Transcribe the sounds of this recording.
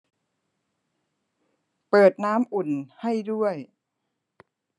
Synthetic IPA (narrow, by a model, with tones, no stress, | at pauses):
pɤː˨˩t̪̚naː˦˥mʔu˨˩nha˥˩jdu˥˩əj